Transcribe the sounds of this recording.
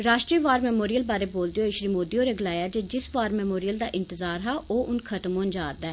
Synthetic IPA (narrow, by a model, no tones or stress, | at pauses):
ɾaːʃʈɾiːʋaːɾmɛːmoːɾijəlbaːɾeboːld̪eoɪʃɾiːmoːd̪ioːɾeɡlaːjaːd͡ʒeːd͡ʒɪsʋaːɾmɛːmoːɾijəld̪a̰ːʔɪ̃nt̪ɪzaːɾɦɛːʔoːʔʊnkʰət̪mõːnd͡ʒaːɾd̪ɛː